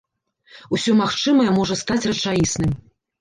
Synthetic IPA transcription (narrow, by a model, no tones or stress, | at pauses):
usʲɔmaxt͡ʂɨmɐjɛmɔʐɐst̪at͡sʲrɐt͡ʂajisnɨm